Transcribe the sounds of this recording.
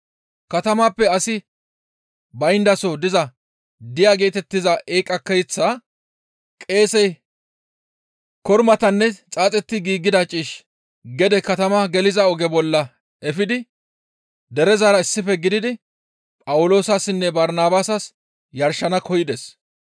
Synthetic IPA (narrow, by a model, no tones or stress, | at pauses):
kɐt̪ɐmaːpːɛɐsɪ | bɐjnd̪ɐsɔd̪ɪzɐ | d̪ɪjaːɡe̞ːt̪ɛt̪ːɪzɐʔeːkʼɐkːɐjt͡sːa | kʼe̞ːsɛj | kɔɾmɐt̪ɐnːɛt͡sʼaːt͡sʼɛt̪ːɪɡiːɡːɪd̪ɐt͡ʃʼiːʃ | ɡɛd̪ɛkɐt̪ɐmɐɡɛlɪzɐɔɡɛbɔlːɐ | ɛfɪd̪ɪ | d̪ɛɾɛzaːɾɐɪsːɪfɛɡɪd̪ɪd̪ɪ | pʼɐwʊlo̞ːsasɪnːɛbɐɾnaːbaːsɐs | jɐɾʃːɐnɐkʰɔjɪd̪ɛs